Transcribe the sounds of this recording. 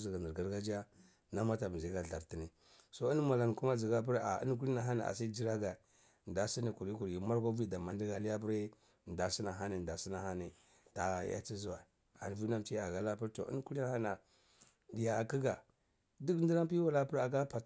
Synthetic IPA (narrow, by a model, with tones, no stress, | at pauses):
zi˨ɡa˨nə˨ɾɡa˦ɾɡa˦d͡ʒa˦ | na˦ma˦ta˨bzi˨˦ɡa˨ɬa˨ɾti˦ni˨ | so˦i˦n˦ma˨la˨n˨ku˦ma˦zi˨ɡa˦p̬u˦ɾa̰˨ḭ˦n˦k̬u˦li˦na˨ɦa˦na˨a̰˨s̬i˦d͡ʒi˦ɾa˦ɡa˨ | nda˨si˦ni˨ku˨ɾi˦ku˨ɾji˨ma˦ɾɡʷa˦vi˦da˨ma˨ndi˦ɡa˨li˦a˦p̬u˦ɾi˦˨ | n˨da˨si˦na˨ɦa˦ni˨nda˨si˦na˨ha˦ni˨ | ta˨˦ja̰˦t͡si˦zu˨wa˨ | a̰˨n˨vu˦na˦mt͡ʃi˦˨a˨ɡa˦la˦pi˦ɾto̰˨ḭ˦n˦ku˦li˦na˦ha˦na˨ | di˨ja˨a˨ki˦ɡa˨ | di˦kn˦di˦ɾa˦pi˦wa˦la˦pə˦ɾa˨ɡa˦pa˨˦